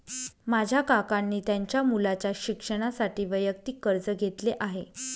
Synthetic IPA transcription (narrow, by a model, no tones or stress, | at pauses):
mad͡ʑʱjakakanːiːt̪jaɲt͡ɕjamulat͡ɕjaɕikʂəɽ̃asaʈiːʋəjəkt̪iːkːəɾd͡zəɡʱet̪leʔaɦe